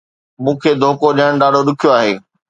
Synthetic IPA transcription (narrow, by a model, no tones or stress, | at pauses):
mũːkʰeːd̪ʱoːkoɗiəɽ̃ɗaːɖʱoɗʊkʰijoaːɦeː